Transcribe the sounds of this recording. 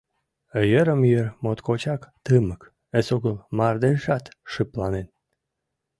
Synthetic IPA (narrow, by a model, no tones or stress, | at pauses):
əjəɾəmjørmot̪kot͡ɕɑkt̪əmək | əsoɣəlmɑrd̪eʒɑt̪ʃɨplɑnen